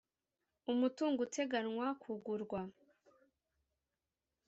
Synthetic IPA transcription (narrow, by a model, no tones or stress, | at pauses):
umutuːŋɡutʰe̞ɡanŋwakʰuɡuɾɡwa